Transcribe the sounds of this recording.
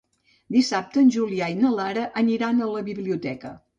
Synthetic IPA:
d̪isap̚t̪ənʲʒuliainəlaɾəʔəniɾanələβiβliut̪ɛkə̰

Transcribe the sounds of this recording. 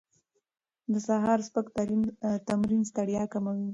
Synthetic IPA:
d̪əsaɦɑɾspəkt̪aɾit̪amɾinst̪aɽjɑkamawi

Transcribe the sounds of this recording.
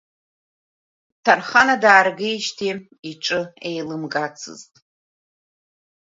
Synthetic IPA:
tʰarχanadaːrɡejʃtʰi | iʈ͡ʂʼɨejlɨmɡat͡sʰɨ̰ztʼ

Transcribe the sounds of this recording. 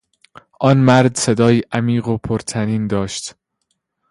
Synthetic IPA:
ʔɒːnmæɾd̪se̞d̪ɒːjiːʔæmiːɢopʰoɾt̪ʰæniːnd̪ɒːʃt̪

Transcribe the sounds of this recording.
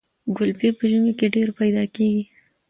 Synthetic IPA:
ɡʊlpepəʒumekeɖeɾpajd̪ɑkeɡi

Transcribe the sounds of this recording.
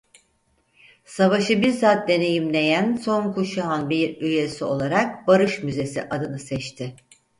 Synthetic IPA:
savaʃɯbiɾzaːt̪̚d̪e̞ne̞jimne̞jænso̞nkʰuʃaɦanbiɾyje̞sio̞lˠaɾak̚baɾɯʃmyze̞sḭʔad̪ɯnɯsɛt͡ʃt̪ʰɪ

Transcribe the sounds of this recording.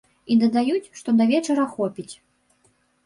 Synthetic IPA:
id̪ɐd̪ajut͡sʲʂt̪ɔd̪ɐvʲɛt͡ʂɐɾɐxɔpʲit͡sʲ

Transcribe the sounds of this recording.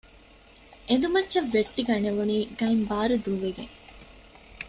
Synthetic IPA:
end̪umɐtːt͡ʃːɐʋːeʈːiɡɐneʋuniːɡɐimbaːɾud̪uʋeɡeŋ

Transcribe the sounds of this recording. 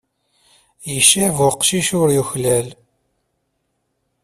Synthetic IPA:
jəʃːivʊqʃiʃʊɾjuçlæl

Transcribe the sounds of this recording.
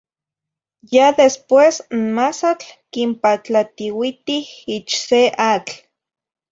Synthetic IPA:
jaðespwesmasat͡ɬkimpat͡ɬat̪iwit̪ihit͡ʃseʔat͡ɬ

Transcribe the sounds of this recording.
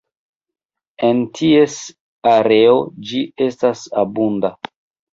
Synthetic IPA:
entʰies | aɾe̞o̞d͡ʒie̞stasabunda

